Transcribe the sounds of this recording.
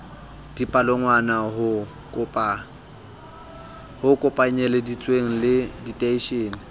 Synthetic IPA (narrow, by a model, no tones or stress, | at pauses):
d̥ipʼaloŋwanaɦʊ | kʼʊpʼ | hʊkʼʊpʼaɲɛledit͡sʼweŋ̩lɪditʼeiʃeːnɪ